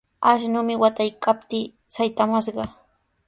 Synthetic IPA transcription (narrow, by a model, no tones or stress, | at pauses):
aʃnʊːmɪwat̪ajkap̚t̪iː | sajt̪amaʃɢɑ